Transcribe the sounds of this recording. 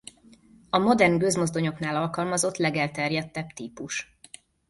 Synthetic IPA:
ɒmo̞d̪ɛrnɡøzmo̞zd̪o̞ɲo̞knaːlɒlkɒlmɒzo̞t̪lɛɡɛlt̪ɛrjɛt̪ːɛbt̪iːpuʃ

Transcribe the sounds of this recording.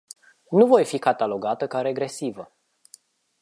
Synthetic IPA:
nuvo̞jfikat̪alo̞ɡat̪əkaɾe̞ɡɾe̞sivə

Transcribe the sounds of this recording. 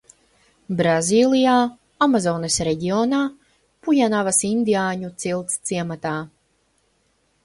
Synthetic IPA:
bɾazʲiːlˠijaː | amazɔːnesɾɛɟiɔːnaː | pujanavasind̪iaːɲut̪silˠt̪st̪siɛmat̪aː

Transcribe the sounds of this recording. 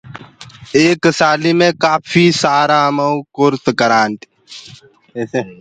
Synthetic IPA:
eːksaːliːmẽːkaːpʰiːsaːɾaːməukʊɾt̪kəɾaːnʈ̪ː

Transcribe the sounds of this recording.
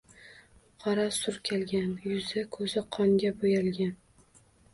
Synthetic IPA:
qʰɑɾasʊɾkʲʰelɡʲanjʊzɪkʰɵzɪqʰɒŋɡʲabojalˠɡʲan

